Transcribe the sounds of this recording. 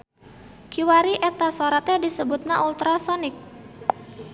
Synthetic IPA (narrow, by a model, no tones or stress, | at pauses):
kiwaɾiʔɛt̪asoɾat̪adisəbut̪̚naʔult̪ɾasɔnɪk̚